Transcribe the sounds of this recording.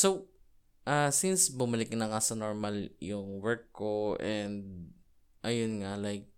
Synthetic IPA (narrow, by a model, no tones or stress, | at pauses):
sow | ʔasinsbʊmɐlɪk̚nɐŋasɐnoɹmɐljʊŋwɛɹkːoʔɛnd̪̚ | ʔajʊnŋalajk̚